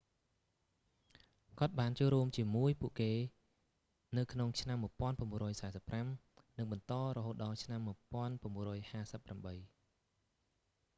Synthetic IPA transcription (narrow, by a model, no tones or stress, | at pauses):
kŏət̪̚ɓaːnt͡ɕoːlruəmt͡ɕiəmuəjpuəʔkeː | nɨwkʰnoŋt͡ɕʰnamːuəpŏənpaəmuərɔːjsaɛsəpːramnɨŋɓɑnt̪ɑːɾrɔɦoːt̪̚ɗɑlt͡ɕʰnamːuəpŏənpaəmːuərɔːjhaːsəpːramɓəj